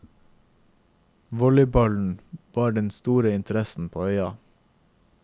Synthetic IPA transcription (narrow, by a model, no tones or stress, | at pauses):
ʋɔlɪbɑln̩ʋɑːɖɛnst̪uːɾəɪnt̪ʰəɾɛsn̩pʰo̰ːœʏɑ̰